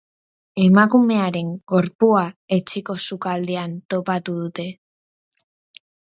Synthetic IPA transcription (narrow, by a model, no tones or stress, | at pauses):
e̞makume̞aɾe̞ŋɡo̞ɾpuae̞t͡ʃiko̞sukald̪e̞ant̪o̞pat̪uðut̪e̞